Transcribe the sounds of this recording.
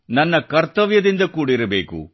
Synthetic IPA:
nɐnːɐkɐɾt̪ɐʋjɐd̪ind̪ɐkuːɽɐiɾɐbḛːkṵ

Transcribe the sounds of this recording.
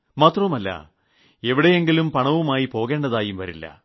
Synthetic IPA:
maːt̪rɐmɐlːɐ̰ | e̞ʋiɽe̞jeŋɡilumpɐɳɐʋumaːjipo̞ːɣe̞ːɳɖɐðaːjumʋɐɾilːɐ̰

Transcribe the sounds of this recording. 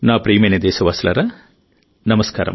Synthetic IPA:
naːpɾiːmened̪ɛːsɐʋaːslaːɾɐ | nɐmɐska̰ːɾɐ̰m

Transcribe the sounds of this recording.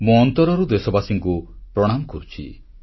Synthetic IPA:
mũɔnt̪ɔɾɔɾud̪esɔbasiŋkupɾɔɽ̃amɔkɔɾut͡ʃʰḭ

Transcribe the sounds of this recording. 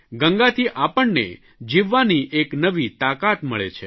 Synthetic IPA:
ɡəŋɡat̪ʰiʔapəɳnḛ | d͡ʒiʋːaniʔeknəʋit̪akat̪məɭḛt͡ʃʰe

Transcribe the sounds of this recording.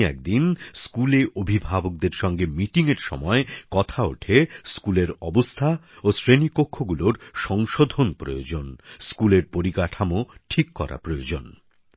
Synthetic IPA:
ɛ̰k̚d̪inskuleʔobʱibʱabok̚d̪eɾʃɔŋɡemiʈiŋeɾʃɔ̰mɔekɔt̪ʰao̰ʈʰeskuleɾɔbost̪ʰa | osɾenipokʰːoɡuloɾʃɔŋʃod̪ʱonpɾo̰jod͡ʑonskuleɾpoɾikaʈʰamoʈʰikːɔ̰ɾa̰pɾojod͡ʑon

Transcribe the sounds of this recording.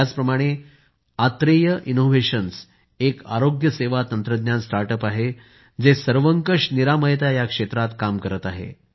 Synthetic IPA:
at͡spɾəmaɽ̃e | at̪ɾejəʔinoʋeɕəns | eka̰ɾoɡjəseʋat̪ənt̪ɾəd̪njansʈaɾʈəpaɦe | d͡zesəɾʋəŋkəʂniɾaməjt̪ajakʂet̪ɾat̪kamkəɾət̪aɦḛ

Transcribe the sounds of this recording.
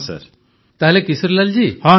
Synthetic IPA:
sə̰ɾ | t̪aɦlekisəɾlald͡ʑihɔ̃

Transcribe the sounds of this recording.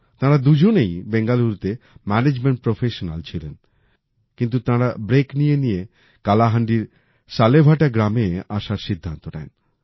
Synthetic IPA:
t̪ãɾad̪ud͡ʑonejbeŋɡaluɾt̪emɛned͡ʑmeɳʈ̚pɾofeʃona̰lt͡ɕʰilḛn | kint̪̬ut̪ãɾabɾeknijenije | kalaɦaɳɖiɾ | ʃalebʱaʈaɡɾameaʃaɾʃid̪ʱːant̪onɛ̰n

